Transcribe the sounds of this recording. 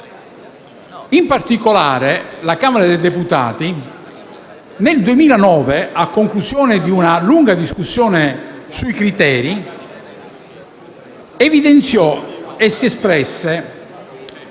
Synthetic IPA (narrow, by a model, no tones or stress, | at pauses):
impart̪ikolaːɾelakaːmaɾad̪ejd̪eput̪a̰ːt̪i | neld̪uemiːlanɔːveʔakːoŋklusjɔːnɪd̪iunaluŋɡad̪iskusːjɔːnesuikɾit̪ɛːɾi | evid̪ent̪sjɔesːiɛspɾɛsːe